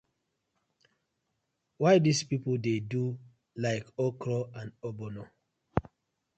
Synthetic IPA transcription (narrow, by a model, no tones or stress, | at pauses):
waɪdispipoldedu | laɪkɔkɹɔãnobɔno